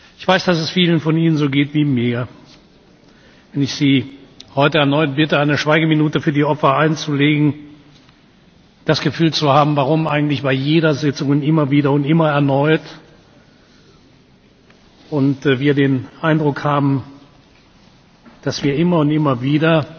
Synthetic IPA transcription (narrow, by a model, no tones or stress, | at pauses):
ʔɪçv̥aɪsd̥asɛsfiːlənfɔniːnənzoːɡeːtv̥iːmiːɐ | vɛnɪçz̥iːhɔʏtəɛɐnɔʏtb̥ɪtəaɪnəʃv̥aɪɡəminuːtəfyːɐdiːɔpfɐaɪnt͡suleːɡŋ̩ | d̥asɡ̥əfyːlt͡suhaːbm̩vaʁ̞ʊmʔaɪɡŋ̩tlɪçb̥aɪjeːdɐzɪt͡sʊŋnɪmɐviːdɐʊntʔɪmɐɛɐnɔʏt | ʔʊntːviːɐdeːnʔaɪndʁʊkhaːbm̩ | d̥asv̥iːɐʔɪmɐʊntʔɪmɐviːdɐ